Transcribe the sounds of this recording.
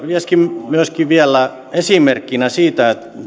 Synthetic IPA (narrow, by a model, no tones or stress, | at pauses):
ʋieskimmyøskiʋiælːˑæ | esimerkːinæsiːt̪æet̪